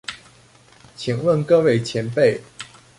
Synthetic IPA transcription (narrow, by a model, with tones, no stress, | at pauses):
t͡ɕʰi˨˩ŋwə˥˩nkɤ˥we˥˩ɪt͡ɕʰjɛ˧˥npe˥˩ɪ